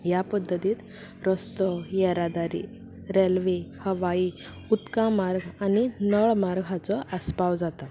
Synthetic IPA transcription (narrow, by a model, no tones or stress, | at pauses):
japəd̪ʱːət̪iːt̪ | ɾəst̪ɔjɛɾad̪aɾḭ | ɾelʋehəʋai | ut̪kãmaɾɡʱaninəɭmaɾɡʱat͡sɔʔəspawd͡zat̪a